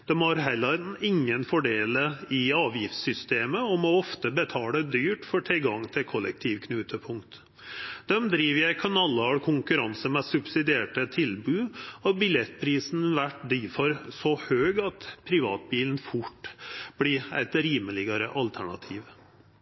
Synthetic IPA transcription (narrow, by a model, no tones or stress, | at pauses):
d̪̥ɛmhɑɾɦɛlːəɾɪŋːənfɔɖeːləɪɑːʋjɪft̪sʏst̪eːməɔmɔɔft̪əbət̪ʰɑːləd̪yːʈfɔʈʰɪlɡɑŋːt̪ʰɪlkʰɔlːə̰k̚t̪ʰiːʋkʰnʉːt̪ʰəpʰʊŋkt̪ | d̪̥ɛmd̪ɾiːʋjæɪkʰɑnɑlːəɑɾkʰʊŋkʉɾɑnsəmɛsʉbsɪd̪ɪeːʈət̪ʰɪlbʉːɔbɪlɛt̪ːpʰɾiːsn̩ʋæʈd̪iːfɔɾsɔhøːɡɑt̪pʰɾɪʋɑ̰ːt̪̚biːln̩fʊʈːb̥lɪæ̰ɪt̪ɾiːməlɪɡəɾəʔɑlt̪ʰæɳɑ̰t̪ʰiːʋ